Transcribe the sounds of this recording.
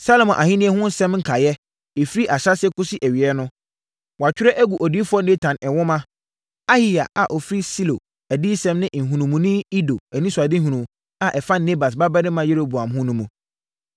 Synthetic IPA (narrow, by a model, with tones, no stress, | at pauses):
sa˦lo˨mɔ̃˨ʔa˨hĩ˦nĩ˦ɛ˦hʊ̃˦n˦sɛ̃˦mŋ̩˦kʰa˨jɛ˦ | e˨fɾi˦ʔa˨ɕa˦sɛ˦kʊ˦sɪ˦ʔæ˨ɥi˨ɛ˦nʊ̃˦ | wɔ˨a˨t͡ɕᶣɪ˦ɾɛ˦ʔæ˦ɡu˨ʔɔ˨diː˦fʊ˦ɔ˦ne˦tʰã˨nɛ˨wʊ̃˦mã˦ | a˦hi˨ja̰˨ʔa˨ʔɔ˨fɾi˦si˦lo̰˨ | æ˨diː˦sɛ̃˦mnɪ̃˦˨ŋ̩˨ɦũ˨nũ˨mũ˨nɪ̃˦i˦do˨æ˨nĩ˦su˨a˨dɪ˦ɦũ˨nũ˨m | a˨ʔɛ˨fa˦ne˦ba˨s̬ba˦bɛ˦nɪ̃˦mã˨je˦ɾo˨bu˨ã˨mɦʊ̃˦nũ˦mũ˨